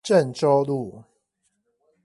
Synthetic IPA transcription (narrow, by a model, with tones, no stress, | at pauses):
ʈ͡ʂə˥˨nʈ͡ʂo˦ʊlu˥˨